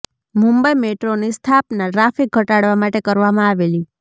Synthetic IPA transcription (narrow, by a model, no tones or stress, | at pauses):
mũmbəimeʈɾonist̪ʰapnaʈɾafik̚ɡʱəʈaɽʋamaʈekəɾʋamãaʋeli